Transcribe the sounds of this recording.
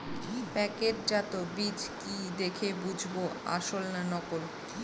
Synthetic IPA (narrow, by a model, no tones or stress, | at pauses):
pɛkeɾd͡ʑat̪obid͡ʑkid̪ekʰebud͡ʑʱboa̰ʃolnanɔkoɾ